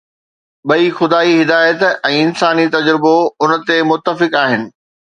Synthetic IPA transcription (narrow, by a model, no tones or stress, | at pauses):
ɓɐixʊd̪aːiɦɪd̪aːjət̪ɛ̃ːɪnsaːnit̪ɐd͡ʑɾɪboʊnə̆t̪emʊt̪ːəfɪkaːɦɪnɪ̆